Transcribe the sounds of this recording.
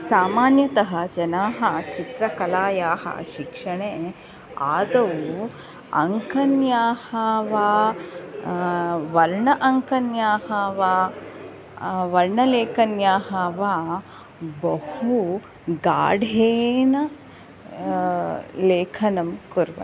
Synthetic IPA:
saːmaːnjɐt̪ɐɦɐd͡ʒɐnaːɦɐt͡ʃit̪ɾɐkɐlaːjaːɦɐ̰ʃikʂɐɳeː | aːd̪ɐʋu | ɐ̰ŋkɐnjaːhaːʋaː | ʋɐɾɳɐʔɐŋkɐnjaːɦaːʋaː | ʋɐɾɳɐleːkɐnjaːɦaːʋaː | bɐhu | ɡa̰ːɖʱeːnɐ | leːkʰɐnɐmkuɾʋɐ̰

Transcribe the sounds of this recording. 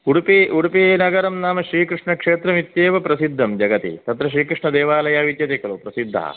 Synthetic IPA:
uɽupiʔuɽupieːnɐɡɐɾɐmnaːmɐʃɾiːkɾɨʂɳɐkʂeːt̪ɾɐmit̪jeːʋɐpɾɐsid̪ʱːɐmd͡ʒɐɡɐt̪ḭt̪ɐt̪ɾɐʃ̬ɾiːkɾɨʂɳɐd̪eːʋaːlɐjaːʋit̪jɐt̪ikɐlupɾɐsid̪ʱːɐ̰ɦɐ̰

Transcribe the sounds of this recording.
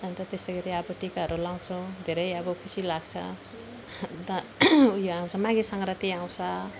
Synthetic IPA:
ʌnt̪ʌt̪est̪ʌɡʌɾiʌbʌʈikaɦʌɾulãw̃t͡sʰũd̪ʱeɾʌjʌbʌkʰut͡sʰilaɡt͡sʰʌ̰ | t̪ʌujoaw̃t͡sʰʌmãɡesʌŋrʌt̪iãw̃t͡sʰʌ

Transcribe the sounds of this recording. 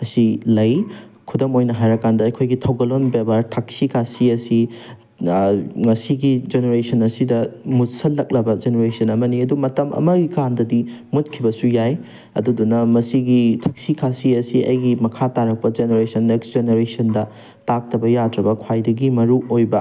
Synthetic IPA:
ɐsilɐjkʰudomojnɐɦajɾɐkːandɐːjkʰojɡitʰɐwɡɐlonbebɐɾtʰak̚sikʰasiɐsi | ŋɐsiɡid͡ʒeneɾesɐnɐsidɐmutsɐllːɐk̚lɐbɐd͡ʒeneɾesɐnɐmɐniɐdumɐtɐmɐ̰mɐɡikandɐdimut̚kʰibɐsujaj | ɐ̰dudunɐmɐsiɡitʰɐk̚sikʰasiɐsiɐ̰jɡimɐkʰataɾɐk̚pɐd͡ʒeneɾesʰɐneksd͡ʒeneɾesɐndɐ | tak̚tɐbɐjadɾɐbɐkʰwajdɐɡimɐɾuojbɐ

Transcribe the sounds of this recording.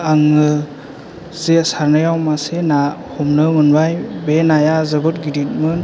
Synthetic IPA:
aŋɯ | z̥esaɾnɯjawmasenahumnɯmɯnbajbenajazɯbɯt̚ɡiɾit̚mɯn

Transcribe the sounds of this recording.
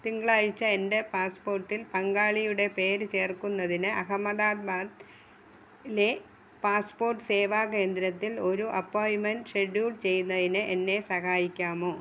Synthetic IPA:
t̪iŋɡɐɭaːɻit͡ɕːɐende̞paːspo̞ːrʈːilpɐŋɡaːɭijuɽe̞pe̞ːɾɨt͡ɕe̞ːrkunːɐðinɨʔɐɦɐmɐd̪aːd̪̚baːd̪ | le̞ | paːspo̞ːrʈːɨse̞ːʋaːke̞ːnd̪ɾɐt̪ːilo̞ɾuʔɐpːoːjmɐnɖʂe̞ɖjuːlt͡ɕe̞jːunːɐðinɨʔenːe̞sɐhaːjikʲːaːmo̞ː

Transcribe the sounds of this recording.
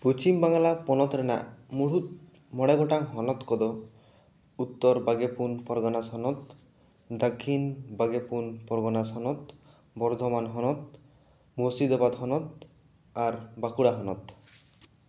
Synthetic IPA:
put͡ʃimbaŋlapɔnɔt̪ɾena̰muɽ̤ut̪ | mɔɽaɡʱɔʈaŋɦɔnɔt̪kɔd̪ɔ | ut̪ːɔɾbaɡepunpɔɾɡɔnasɦɔnɔt̪ | d̪akʰːinbaɡepunpɔɾɡɔnasɦɔnɔt̪ | bɔɾd̪ʱɔmanɦɔnɔt̪̚ | mɔsid̪ɔbad̪ɦɔnɔt̪̚ | aɾbakuɽaɦɔnɔt̪

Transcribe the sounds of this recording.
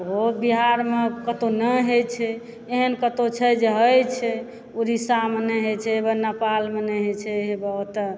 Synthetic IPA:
ɦobiɦaɾmekət̪onəɦet͡ʃʰɛ | eɦənkət̪ot͡ʃʰɛd͡ʒeɦəjt͡ʃʰɛ | uɾisamenəɦet͡ʃʰɛebənəpalmenɛɦet͡ʃʰɛɦebət̪ə

